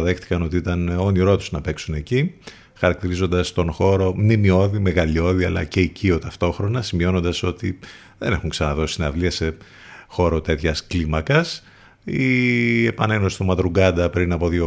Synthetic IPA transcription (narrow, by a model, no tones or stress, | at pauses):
ðexti̥kɐno̞t̪iit̪ɐno̞niɾo̞t̪u̥znɐpe̞ksune̞ci | xɐɾɐk̚t̪iɾizo̞nd̪ɐst̪o̞nxo̞ɾo̞mnimio̞ðime̞ɣɐʎo̞ðiɐlɐ̰ce̞icio̞t̪ɐft̪o̞xɾo̞nɐsimio̞no̞nd̪ɐso̞t̪i | ðe̞ne̞xuŋksɐnɐðo̞si̥st̪inɐvliɐse̞ | xo̞ɾo̞t̪e̞t̪çɐsklimɐkɐs | ie̞pɐne̞no̞si̥st̪omɐd̪ɾuɡɐd̪ɐpɾinɐpo̞ðio